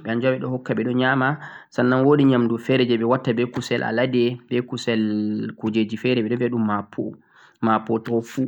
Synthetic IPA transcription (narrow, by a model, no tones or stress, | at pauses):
ɓɛand͡ʒɔɓɛɗɔhɔkːaɓɛɗɔɲamasanːanwoɗiɲamdufɛɾɛd͡ʒɛɓɛwatːabɛkusɛlʔa̰ladɛbɛkusɛlkod͡ʒed͡ʒifɛɾɛɓɛɗɔviaɗumːapʰo̰ | mapːɔtɔfu